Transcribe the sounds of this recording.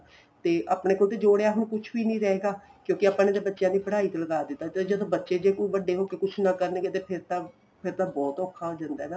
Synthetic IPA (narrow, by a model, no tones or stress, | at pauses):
t̪eːʔaːpɽeːkoːlt̪eːd͡ʒoːɽeaːɦnũːkʊt͡ʃʰʋiːnĩːɾɛeːɡaːkjõːkɪaːpãːned̪eːbətːʃjãːd̪iːbəɽaːiːt̪eləɡaːd̪ɪt̪ːaːd͡ʒət̪õːbətːʃeːd͡ʒeːkobəɖːeːɦoːkeːkʊt͡ʃʰnãːkəɾnẽːɡeːt̪eːpʰɪɾt̪aː | pʰɪɾt̪aːbɔːt̪ɔːkʰːaɦoːd͡ʒãːnd̪aːɛnaː